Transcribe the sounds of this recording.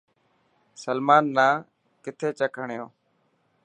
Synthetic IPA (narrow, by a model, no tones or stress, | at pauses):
səlmaːnːaː | kɪt̪ʰeːt͡ʃəkʰəɳɪjõː